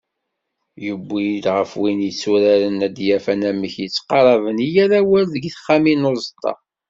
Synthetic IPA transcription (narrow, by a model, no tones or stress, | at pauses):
jubːilʁəfwinjət͡sːuɾæɾənæd̪jæfænæməçjət͡sːqɑɾˤɑvənijæɾæwælðəɡθəχːæminozˤət̪ˤʰːɑ̰